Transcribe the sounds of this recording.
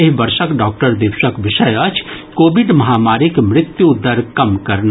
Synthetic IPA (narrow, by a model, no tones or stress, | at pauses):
eɦbɐɾʃəkɖaːk̚ʈəɾd̪ɪʋʃəkʋɪʃɐjɐt͡ʃʰkoːbɪɖmɐɦaːmaːɾikmɾɪt̪jud̪ːəɾkɐmkɐɾn